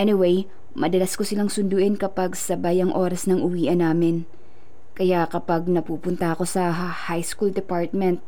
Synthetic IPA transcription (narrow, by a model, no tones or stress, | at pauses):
ʔɛnɪwej | mɐd̪ɐlasko̞sɪlaŋsʊnd̪ʊʔɛnkɐpaɡsɐbajɐŋʔo̞ːɾɐsnɐŋʔʊwiːʔɐnaːmɪn | kɐjakɐpɐɡ̚nɐpuːpʊnt̪ɐʔɐko̞sɐ | hajskuld̪ɛpaɹt̪̚mɛnt̪̚